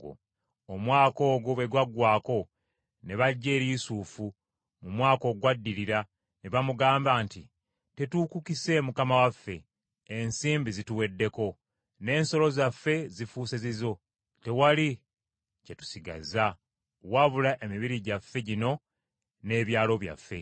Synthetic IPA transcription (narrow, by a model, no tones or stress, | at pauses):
omwaːko̞ːɡoβeɡwaɡwaːko̞ | ne̞βaɟːe̞ːɾiːsuːfu | mumwaːko̞ɡwadːiɾiɾa | ne̞βamuɡaːmbaːnti | te̞tukukise̞mukamawafːe̞̰ː | nsiːmbizituwe̞dːe̞ko̞ | ne̞ːnso̞lo̞zafːe̞zifuːsezizo̞ | te̞wali | cetu̥siɡa̰za | waβulaʔe̞miβiɾiɟafːe̞ɟino̞ | ne̞ːβjaːlo̞βja̰fːe̞̰